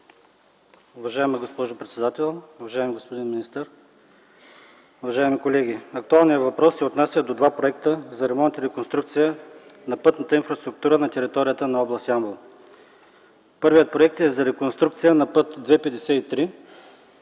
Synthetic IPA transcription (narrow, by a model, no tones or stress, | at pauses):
ʊvɐʒaɛmɐɡospɔʒʊpɾɛt̪sɛd̪at̪ɛlˠʊvɐʒaɛmiɡospod̪inminist̪əɾ | ʊvɐʒaɛmikolɛɡ̟ʲiɐk̚t̪ualˠnijəvɐpɾɔsːɛot̪nasʲjəd̪od̪vapɾoɛk̚t̪əzɐɾɛmɔ̃nt̪əɾɛkonst̪ɾukt̪sijənɐpɤt̪nət̪əinfɾɐst̪ɾʊk̚t̪uɾənɐt̪ɛɾit̪ɔɾijət̪ənɐɔblˠɐst̪ʲiamblˠ | pɤɾvijət̪̚pɾoɛk̚t̪ɛzɐɾɛkonst̪ɾukt̪sijənɐpɤt̪d̪vɛpɛd̪ɛsɛit̪ɾi